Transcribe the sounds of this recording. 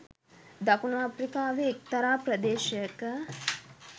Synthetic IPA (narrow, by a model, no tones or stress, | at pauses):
d̪ɐkunaaːpɾikaːʋeːk̚t̪ɐɾaːpɾɐd̪eːʃəjəkə